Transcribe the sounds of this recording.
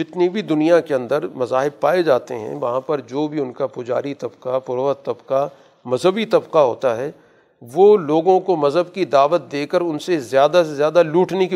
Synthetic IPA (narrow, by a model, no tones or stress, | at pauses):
d͡ʒɪt̪nibʱid̪ʊnijakeɐ̃nd̪əɾmɐzaːɦɪb̚paːed͡ʒaːt̪ḛɦɛ̰̃ʋɐɦãpɐɾd͡ʒoːbʱiʊnkapʊd͡ʒa̰ːɾit̪ɐbqapʊɾoːət̪ɐbqa | mɐzɦəbit̪ɐbqaɦo̰ːt̪aɦɛː | ʋoːloːɡõkomɐzɦəbkid̪aːʋət̪̚d̪eːkəɾʊnsezjaːd̪asezjaːd̪aluːʈneki